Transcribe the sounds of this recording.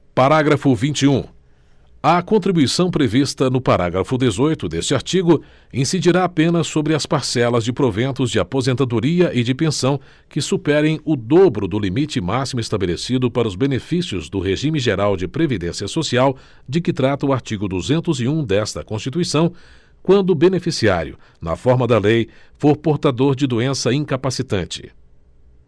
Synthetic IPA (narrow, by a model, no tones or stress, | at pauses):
paɾaɡɾɐfʊvĩnt͡ʃiũ | ɐkõnt̪ɾibujsɐ̃w̃pɾevist̪ɐnʊpaɾa̰ɡɾɐfʊd̪ezojt̪ʊd̪est͡ʃɪaɾt͡ʃiɡʊ | ĩsid͡ʒiɾaapẽnɐsːobɾɪɐspaɾsɛlɐzd͡ʒɪpɾovẽnt̪ʊzd͡ʒɪapozẽnt̪ad̪oɾiɐʔɪd͡ʒɪpẽsɐ̃w̃ | kɪsupɛɾẽj̃ʊd̪obɾʊd̪ʊlimit͡ʃɪmasimʊest̪abelesid̪ʊpaɾɐʊzbenefisiʊzd̪ʊɦeʒĩmɪʒeɾawd͡ʒɪpɾevid̪ẽsiɐsosiaw | d͡ʒɪkɪt̪ɾat̪ɐʊaɾt͡ʃiɡʊd̪uzẽnt̪ʊziũd̪ɛst̪ɐkõst͡ʃit̪uisɐ̃w̃ | kwɐ̃nd̪ʊbenefisia̰ɾjʊ̰ | nɐ̰fɔɾmɐd̪ɐlejfoɾpoɾt̪ad̪oɾd͡ʒɪd̪uẽsɐĩŋkapasit̪ɐ̃nt͡ʃɪ̥̰